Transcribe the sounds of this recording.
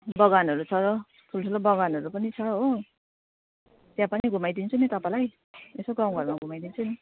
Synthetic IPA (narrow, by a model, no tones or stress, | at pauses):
bʌɡanɦʌɾut͡sʰʌɾʌ | pʰulsʰulʌbʌɡanɦʌɾupʌnit͡sʰʌɦo | t̪jãpaniɡʱumajd̪int͡sʰunit̪ʌpalaj | esoɡãw̃ɡʱʌɾmaɡʱumajd̪int͡sʰuni